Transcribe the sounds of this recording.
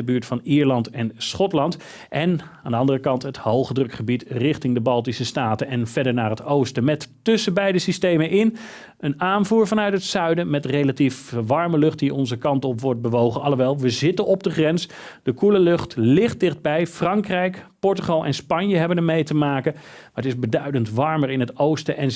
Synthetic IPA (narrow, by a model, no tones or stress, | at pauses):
əbyːɹtfɑniːɹlɑntɛnsχɔtlɑnt | ʔɛnaːndəɑndərəkɑntɦəthowˠχədrɵkχəbitrɪχtɪŋdəbɑlˠtisəstaːtənɛnv̥ɛdəɹnaːrɦətowstəmɛtː | ɵsəbɛjdəsistejmənʔɪn | ənaːnvuːɹvɑnœɥtɦətsœɥdənmɛtrejlatifʋɑɹməlɵχtdiʔɔnzəkɑntɔpʋɔɹt̚bəʋowχənɑləʋɛlˠʋəzɪtənɔb̚dəχrɛns | d̥əkuləlɵχtlɪχt̚d̥ɪχd̚bɛjfrɑŋkrɛjkpɔɹtyχɑlˠʔɛ̰nspɑɲjəɦɛbənəɹmejtəmaːkə | maːɹətɪzbədœɥdəntʋɑɹməɹɪnɦətowstəʔɛn